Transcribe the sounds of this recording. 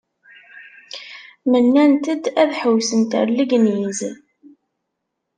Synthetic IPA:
mənːænt̪əd̪æðħəwsənt̪ə̰ɾləɡniz

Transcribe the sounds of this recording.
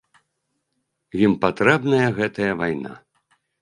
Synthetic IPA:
jimpat̪ɾɛbnɐjɐɣɛt̪ɐjɐvajna̰

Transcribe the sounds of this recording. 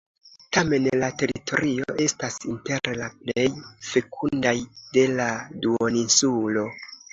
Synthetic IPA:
tame̞nlate̞ɾitʰo̞̰ɾioʔe̞stasinte̞ɾlaple̞jfe̞kʰundajde̞laduoninsulo̞

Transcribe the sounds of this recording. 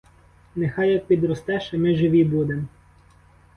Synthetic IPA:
nexɑjɐk̚pʲid̪ɾɔst̪ɛʃɛmɪʒɪʋʲibud̪emɔ

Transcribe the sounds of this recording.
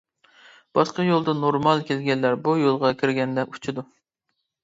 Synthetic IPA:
b̥ɑʃqɑjolˠd̪ɨnoɾmɑlˠkʲʰelɡʲɛnlːæɾbujolˠʁɑkʲʰiɾɡʲɛnd̪ɛʔut͡ʃʰɨd̪u

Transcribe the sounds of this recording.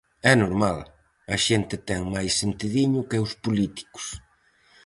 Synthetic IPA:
ɛnoɾmal | ɐʃent̪ɪt̪ɛŋmajsːent̪iðiɲʊkɪʊspulit̪i̥kʊ̥s

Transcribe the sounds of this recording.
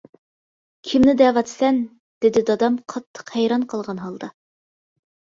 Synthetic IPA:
kʲʰɪmnɪd̪ɛːvɑt̪sɛn | d̪̥ɪd̪ɪd̪ɑd̪ɑmqʰɑt̪ʰːə̥qhæjɾɑnqʰɑlˠʁɑnɦɑlˠd̪ɑ

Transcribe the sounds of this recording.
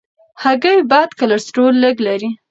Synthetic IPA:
haɡəjbɑd̪kalaɾsʈolːəɡlaɾi

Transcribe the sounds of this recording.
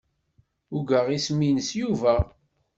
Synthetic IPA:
ʊɡəʁisminəsjuvæ

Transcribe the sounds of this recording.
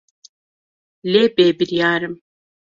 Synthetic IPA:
leːbeːbiɾjɑːɾɨm

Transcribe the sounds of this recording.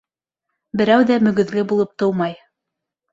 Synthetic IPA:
bɘ̆ɾæwðæmɵ̆ɡɵ̆ðlɘbulˠɤp̚t̪ɤwmɑj

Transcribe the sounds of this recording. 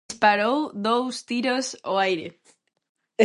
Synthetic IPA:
spaɾowðowst̪iɾosoajɾḛ

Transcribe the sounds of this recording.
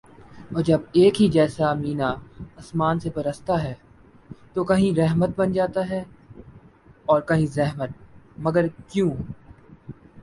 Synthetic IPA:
ɔːɾd͡ʒɐbeːkɦid͡ʒɛːsamiːnaɐsmaːnsebɐɾəst̪aɦɛː | t̪okɐɦĩɾɛɦmət̪̚bɐnd͡ʒaːt̪aɦɛː | ɔːɾkɐɦĩzɛɦmət̪̚mɐɡəɾkjũː

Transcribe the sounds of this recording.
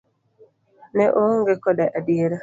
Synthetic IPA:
nɛʔoŋɡekɔdaʔadieɾa

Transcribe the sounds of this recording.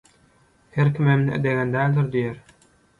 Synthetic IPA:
heɾkʰʲimemniʔḛd̪eɣænd̪æːlʲd̪iɾd̪ijeɾ

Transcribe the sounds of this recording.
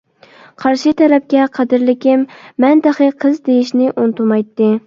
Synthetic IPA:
qʰɑɾʃɪt̪ʰɛɾɛp̚kʲɛqʰɑd̪ɪɾlɪkʲɪmːɛnd̪ɨχɨqʰɨzd̪ejiʃnɪʔunt̪umɑjt̪ːɨ

